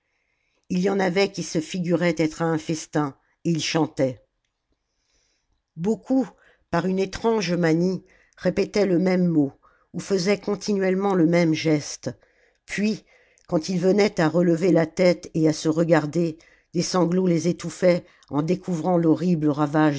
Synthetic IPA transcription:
iljɑ̃navɛkʲisəfiɡʲyʁɛt̪ɛt̪χaɛ̃fɛst̪ɛ̃ | eilʃɑ̃t̪ɛ | bokʰu | paʁynet̪χɑ̃ʒmani | ʁepet̪ɛləmɛmːo | ufəzɛkɔ̃t̪ʰinɥɛlmɑ̃ləmɛmʒɛst̪ | pɥi | kɑ̃t̪ilvənɛt̪aʁələvelat̪ɛt̪easəʁəɡaʁd̪e | d̪esɑ̃ɡlolezet̪ufɛ | ɑ̃d̪ekʰuvʁɑ̃lɔʁibləʁavaʒ

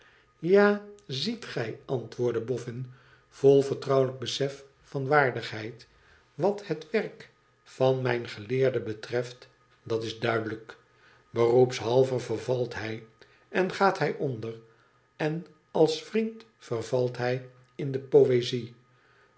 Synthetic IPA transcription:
jaːzitχɛjɑntʋʊːɹdəbɔfɪn | v̥olˠvəɹtrɑwləɡ̚bəsɛfː | ɑnʋaːɹdəχɦɛjt | ʋɑthətʋɛrk | fɑnmɛjnχəlɪːɹdəbətrɛft | dɑtɪzdœɥdələk | bərupsɦɑlˠvəvəɹvɑlˠtɦɛj | ɛnχaːtɦɛjʔondər | ɛn | ɑlˠsfrint | fərvɑlˠtɦɛj | ɪndəpowezi

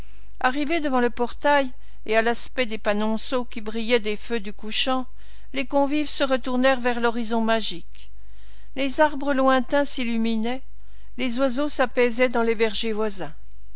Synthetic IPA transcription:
aʁived̪əvɑ̃ləpɔʁt̪aj | ealaspɛd̪epanɔ̃sokʲibʁijɛd̪efød̪ykuʃɑ̃ | lekɔ̃vivsəʁət̪uʁnɛʁvɛʁlɔʁizɔ̃maʒik | lezaʁbʁəlwɛ̃t̪ɛ̃silyminɛ | lezwazosapɛzɛd̪ɑ̃levɛʁʒevwazɛ̃

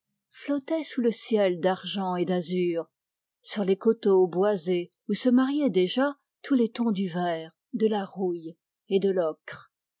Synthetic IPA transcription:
flɔt̪ɛsuləsjɛld̪aʁʒɑ̃ed̪azyːʁ | syʁlekot̪obwaze | usəmaʁjɛd̪eʒa | t̪ʰulet̪ɔ̃d̪yvɛːʁ | d̪əlaʁuj | ed̪əlɔkχ

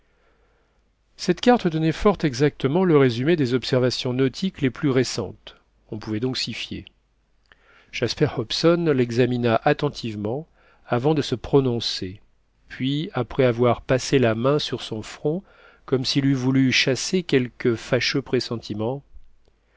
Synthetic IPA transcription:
sɛt̪kaʁt̪d̪ɔnɛfɔʁt̪ɛɡzak̚t̪əmɑ̃ləʁezymed̪ezɔpsɛʁvasjɔ̃nɔt̪ʰikleplyʁesɑ̰̃t̪ | ɔ̃puvɛd̪ɔ̃ksifjḛ | ʒ̥aspɛʁhɔpsɔnlɛɡzaminaʔat̪ɑ̃t̪ʰivmɑ̃ | avɑ̃d̪əsəpχɔnɔ̃se | pʰɥiapχɛavwaʁpaselamɛ̃syʁsɔ̃fχɔ̃ | kɔmsilyvulyʃasekʲɛlkəfaʃøpχesɑ̃t̪ʰimɑ̃

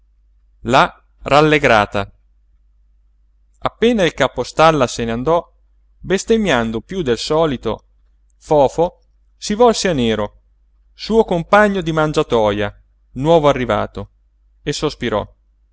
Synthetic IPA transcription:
la | ralːeɡɾa̰ːt̪a | apːeːnailkapost̪alːaseneand̪ɔ | best̪eɲːjand̪opjud̪elsɔːlit̪o̰ | fɔːfo | sivɔlseanːeːɾo | suːokompaɲːod̪imand͡ʒat̪ɔːja | nwɔːvoarːiva̰ːt̪o | esospiɾɔ̰

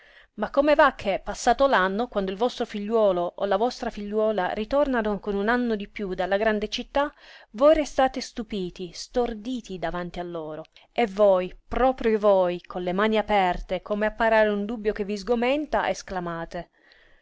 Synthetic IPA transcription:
makːomevakʰːepːasːaːt̪olanːokwand̪oilvɔst̪ɾofiʎːwɔːloʔo̰lavɔst̪ɾafiʎːwɔːla̰ɾit̪ornanokonunanːod̪ipːjud̪alːaɡɾand̪et͡ʃit̪ːavojɾest̪aːt̪est̪upiːt̪ist̪ord̪iːt̪id̪avant̪ialːoːɾo | evojpɾɔːpɾjovojkʰonlemaːniapɛrt̪ekʰoːmeapːaɾaːɾeund̪ubːjok̟evːizɡomɛnt̪a̰ʔesklamaːt̪e

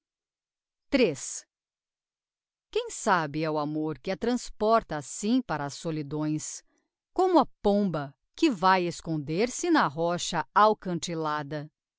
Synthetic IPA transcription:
t̪ɾes | kẽj̃sabɪɛʊamoɾkɪɐt̪ɾɐ̃spɔɾt̪ɐːsĩpaɾɐːsolid̪õj̃s | kõmʊɐpõmbɐ | kɪvajeskõnd̪eɾsɪnɐɦɔʃɐawkɐ̃t͡ʃilad̪ɐ

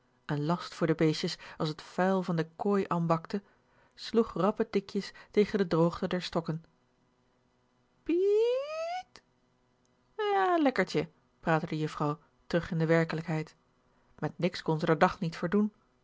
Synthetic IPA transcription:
ənlɑstfʊːɹdəbejʃəsɑlˠsɦətfɛjlˠvɑndəkoːjʔaːnbɑktə | sluχrɑpətɪkjəstejχəndədrowχtədɛɹstɔkən | pi | t | jaːlɛkəɹt͡ʃə | praːtədəjɵfrɑw | tərɵχɪndəʋɛɹkələkɦɛjt | mɛtnɪkskɔnzədəɹdɑχnitfəɹdun

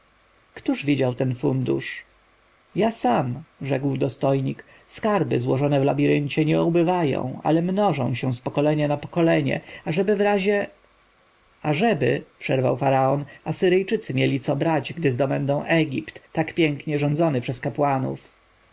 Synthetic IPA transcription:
kt̪uʐvʲid͡ʑawt̪ɛnfund̪ṵʂ | jasamʐɛɡwd̪ɔst̪ɔjɲik | skaɾbɘ̰zwɔʐɔnɛvlabʲiɾɘɲt͡ɕɛɲɛubɘvajɔ̰̃w̃a̰lɛmnɔʐɔ̰̃w̃ɕɛ̃spɔkɔlɛɲanapɔkɔlɛɲɛ̰aʐɛbɘvɾaʑɛ | aʐɛbɘpʂɛɾva̰wfaɾaɔnasɘɾɘjt͡ʂɘt̪sɘmʲjɛlʲit̪sɔbɾad͡ʑɡd̪ɘzd̪ɔbɛnd̪ɔ̃w̃ʔɛɡʲipt̪ːakpʲjɛŋkɲɛʐɔnd̪zɔnɘpʂɛskapwanṵf

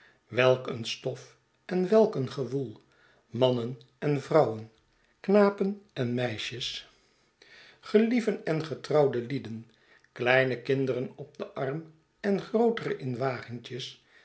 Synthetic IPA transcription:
ʋɛlˠkənstɔf | ɛnʋɛlˠkənχəvulˠ | mɑnən | ɛnvrɑwən | knaːpənɛnmɛjʃəs | χəlivənɛnχətrɑwdəlidən | klɛjnəkɪndərənɔb̚dəʔɑrm | ɛnχrowtərəʔɪnʋaːχɪŋt͡ʃəs

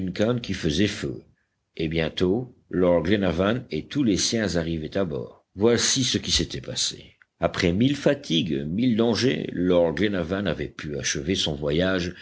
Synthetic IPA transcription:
ynkankʲifəzɛfø̰ | ebjɛ̃t̪olɔʁɡlenavanet̪ulesjɛ̃zaʁivɛt̪abɔ̰ːʁ | vwasisəkʲisɛt̪ʰɛpasḛ | apχɛmilfat̪ʰiɡmild̪ɑ̃ʒḛlɔʁɡlenavanavɛpʰya̰ʃəvesɔ̃vwajaʒ

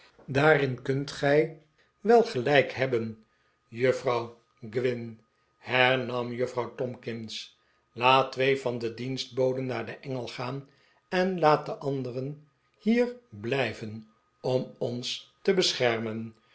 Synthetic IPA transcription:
daːrɪnkɵntχɛj | ʋɛlˠχəlɛjkɦɛbən | jɵfrɑw | ɡʋɪn | hɛɹnɑmjəfrɑwtɔmkɪns | laːttʋejvɑndədinsdt̚bowdənːaːɹdəʔɛŋəlˠχaːn | ɛnlaːt̚dəʔɑndərən | hiːɹblɛjvən | ɔmɔnstəbəsχɛɹmən

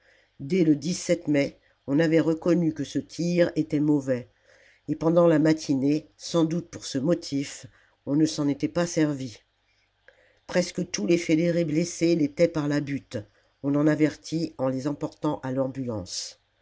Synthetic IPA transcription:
d̪ɛləd̪isɛt̪mɛ | ɔ̃navɛʁəkɔnykəsət̪ʰiʁet̪ɛmɔvɛ | epɑ̃d̪ɑ̃lamat̪ʰinesɑ̃d̪ut̪̚puʁsəmɔt̪ʰif | ɔ̃nəsɑ̃net̪ɛpasɛʁvi | pχɛskət̪ulefed̪eʁebleselet̪ɛpaʁlabyt̪ | ɔ̃nɑ̃navɛʁt̪ʰiɑ̃lezɑ̃pɔʁt̪ɑ̃ʔalɑ̃bylɑ̰̃s

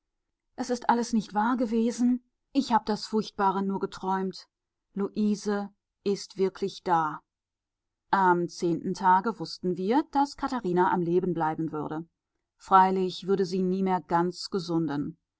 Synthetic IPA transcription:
ʔɛsɪstʔaləsnɪçtv̥aːɐɡəveːzn̩ | ʔɪçhaːbəd̥asfʊɐçt̚b̥aːʁənuːɐɡətʁ̥ɔʏmt | luʔiːzə | ʔɪstv̥ɪɐkʰlɪçd̥aː | ʔamt͡seːntn̩tʰaːɡəvʊstn̩viːɐd̥askʰataʁiːnaʔamleːbn̩blaɪbn̩vʏɐɾə | fʁ̥aɪlɪçv̥ʏɐdəziːniːmeːɐɡant͡sɡ̥əzʊndən

